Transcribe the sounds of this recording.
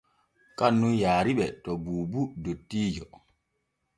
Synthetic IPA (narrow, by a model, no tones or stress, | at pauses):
kanːujaːɾiɓɛtɔbuːbudotːiːd͡ʒɔ